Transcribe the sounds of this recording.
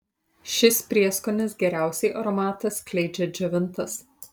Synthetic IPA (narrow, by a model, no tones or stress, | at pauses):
ʃʲɪspʲɾʲiɛskɔnʲɪsɡʲɛɾʲæˑʊsʲɛɪʔɐɾɔmɑːt̪ɐsklʲɛɪd͡ʒʲɛd͡ʒʲɛʋʲɪnˑt̪ɐs